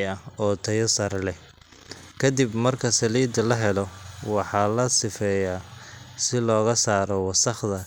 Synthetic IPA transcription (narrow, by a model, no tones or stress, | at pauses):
ɐɔːt̪ʰɐjɐsɐrlɛ | kʰɐd̪ibmɐrkʰɐsɐliːd̪ɐlɐɦɛlɔwɑħɑːlɐsɪfɛːjaːsɪlɔːɣɐsaːɾɔwɑsɐχd̪ɐ